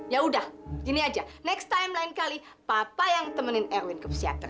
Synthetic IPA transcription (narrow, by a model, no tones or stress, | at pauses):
jaudahiniad͡ʒanɛkst̪ajmlaɪnkali | papajaŋt̪əmənɪnɛɾwɪnkəpəsia̰t̪ə̰